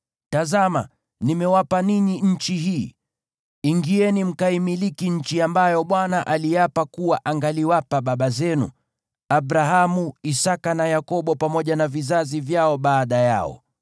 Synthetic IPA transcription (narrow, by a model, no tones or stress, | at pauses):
tazama | nimɛwapaniɲiɲ̩t͡ʃiɦiː | iŋɡiɛnim̩kaimilikiɲ̩t͡ʃiambajɔɓwanaʔaliapakuwaʔaŋɡaliwapaɓaɓazɛnṵ | aɓɾaɦamuisakanajakɔɓɔpamɔʄanavizazivjaɔɓaːɗaja̰ɔ̰